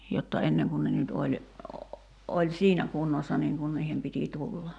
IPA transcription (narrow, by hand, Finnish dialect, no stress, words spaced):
jotːɑ enːeŋ kun ne nyt olʲ olʲ siːnæ kunːosːɑ niːŋ kun niːhem piti tulːɑ